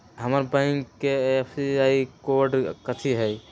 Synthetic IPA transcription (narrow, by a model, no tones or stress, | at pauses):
ɦəməɾbãjŋkːeepʰsiaikowəɾɖkət̪ʰiɦəj